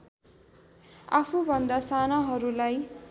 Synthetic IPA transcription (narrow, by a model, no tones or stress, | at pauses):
apʰubʱʌnd̪asanaɦʌɾulaj